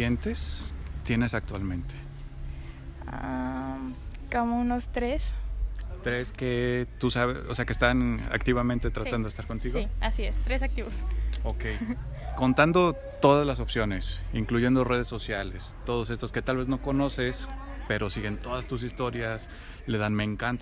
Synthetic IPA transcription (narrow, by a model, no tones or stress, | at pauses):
ent̪e̞st̪je̞ne̞sak̚t̪walmẽ̞nt̪e̥ | a | komounost̪ɾes | t̪ɾe̞sket̪usaβeoseakest̪ana̰kt̪iβamẽnt̪e̞t̪ɾat̪and̪oest̪aɾkont̪iɣoiasiest̪ɾesak̚t̪iβoso̞kejko̞nt̪and̪o̞ | t̪o̞ð̞azlas̬o̞psjo̞ne̞siŋkluʝe̞nd̪o̞re̞ð̞e̞so̞sjale̞st̪o̞ð̞os̬e̞st̪oske̞t̪alβe̞zno̞ko̞no̞se̞spe̞ɾo̞siɣent̪o̞ðast̪us̬ist̪o̞ɾjas | le̞ðanmeŋkant̪